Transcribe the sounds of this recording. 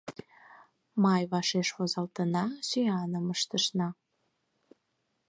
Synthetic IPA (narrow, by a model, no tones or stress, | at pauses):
mɑjβɑʃeʃvozɑlt̪ənɑsyjɑnəməʃt̪əʃnɑ